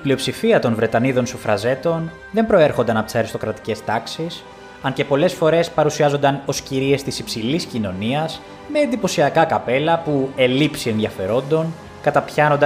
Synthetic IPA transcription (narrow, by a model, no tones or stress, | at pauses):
iplio̞psifiɐt̪o̞nvɾe̞t̪ɐniðo̞nsufɾɐze̞t̪o̞n | ðe̞mbɾo̞e̞ɾxo̞nd̪ɐnɐpot̪isɐɾist̪o̞kɾɐt̪i̥ce̞st̪ɐksis | ɐnce̞po̞le̞sfo̞ɾe̞spɐɾusiɐzo̞nd̪ɐno̞sciɾie̞st̪isipsiliscino̞niɐs | me̞ːnd̪ipo̞siɐkɐkɐpe̞lɐpue̞lipsie̞nðiɐfe̞ɾo̞nd̪o̞n | kɐt̪ɐpçɐno̞nd̪